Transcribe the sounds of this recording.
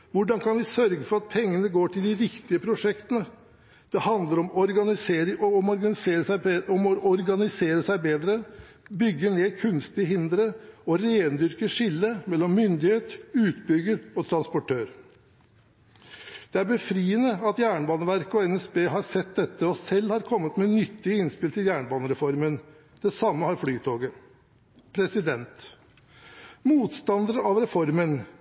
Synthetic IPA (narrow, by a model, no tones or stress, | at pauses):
ʋʊɖɑnkʰɑnʋɪsœɾɡəfɔɾɑt̪̚pʰɛŋːənəɡoːʈʰɪld̪ɪɾɪkt̪ɪəpʰɾʊʂɛkt̪ənə | d̪̥ɛhɑnd̪ləɾɔmɔɾɡɑnɪseɔ | ɔmɔʔɔɾɡɑnɪseːɾəsæɪbeːd̪ɾə | bʏɡːəɳeːkʰʉnst̪ɪəɦɪnd̪ɾəɔɾeːnd̪ʏɾkəʂɪlːəmɛlːɔmːʏnd̪ɪheːt̪ʉːt̪bʏɡəɾɔt̪ʰɾɑnspɔʈʰøːɾ | d̪̥ɛæɾbəfɾiːənəɑt̪jæːɳəbɑːnəʋæɾkəɔɛnɛsbeːɦɑɾsɛt̪̚d̪ɛt̪ːəɔsɛlːhɑɾkʰɔmːət̪mɛnʏt̪ːɪəɪnspɪlt̪ɪljæːɳəbɑːnəɾɛfɔɾmən | d̪̥ɛsɑmːəhɑɾfɽyːt̪ʰoːɡə | pʰɾɛsɪd̪ɛnt̪ | muːt̪st̪ɑnd̪əɾəɑʋɾɛfɔɾmən